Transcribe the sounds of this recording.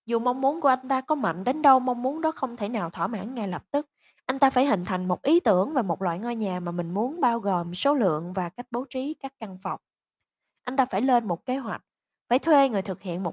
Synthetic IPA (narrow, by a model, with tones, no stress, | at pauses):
zu˨˩ma˧wŋ͡mmu˨˦ənku˧˩əʔa˧jŋ̟t̪aː˧kɔ˨˦ma̰˧˨jŋ̟ɗe˨˦nɗə˧wma˧wŋ͡mmu˨˦ənɗɔ˨˦xə˧wŋ͡mt̪ʰe˧˩naː˨˩wt̪ʰwaː˧˩ma̰ː˧˥nŋa˧jlə˨˩p̚t̪ɨ˦˥k̚ | ʔa˧jŋ̟t̪aː˧faː˧˩jhï˨˩ŋ̟t̪ʰa˨˩jŋ̟mo˨˩t̚ʔi˨˦t̪ɨ˧˩əŋva˨˩mo˨˩t̚la̰ː˧˨jŋɔ˧jɲaː˨˩maː˨˩mï˨˩ŋ̟mu˨˦ənɓaː˧wɣo˨˩mso˨˦lɨ̰˧˨əŋvaː˨˩ka˦˥jk̟̚ɓo˨˦wt͡ɕi˨˦kaː˦˥k̚ːa˧ŋfa˨˩wk͡p̚ | ʔa˧jŋ̟t̪aː˧faː˧˩jlwe˧nmo˨˩t̚ke˨˦ɦwa˨˩k̟̚ | faː˧˩jt̪ʰwe˧ŋɨ˨˩jt̪ʰɨ˨˩k̚hḭ˧˨ənmo˨˩